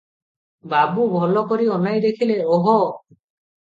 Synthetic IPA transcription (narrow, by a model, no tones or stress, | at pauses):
babubʱɔlɔkɔɾiɔnajd̪ekʰileɔɦɔ